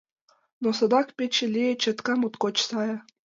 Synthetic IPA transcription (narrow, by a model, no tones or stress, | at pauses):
nosɤ̆d̪ɑkpet͡ɕĕlʲijet͡ɕə̆t̪kɑmut̪kot͡ɕsɑjɑ